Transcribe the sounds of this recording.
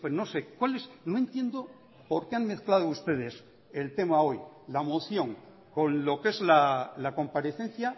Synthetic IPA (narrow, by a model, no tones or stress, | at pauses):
pweno̞se̞kwalesnoe̞nt̪je̞nd̪o̞ | po̞ɾke̞anme̞θklað̞oust̪e̞ðe̞s | e̞lt̪e̞mao̞jlamoθjo̞ŋ | ko̞nlo̞ke̞zlalako̞mpaɾe̞θe̞n̟θja